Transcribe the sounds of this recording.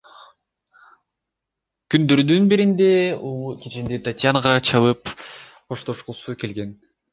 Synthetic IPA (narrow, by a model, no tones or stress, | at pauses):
kynd̪ø̞ɾd̪ynbiɾind̪e̞ulˠket͡ʃind̪et̪ʰatʲjanaʁɑt͡ʃʰɑlˠɯp | qʰo̞ʃt̪o̞ʃqusuke̞lɡe̞n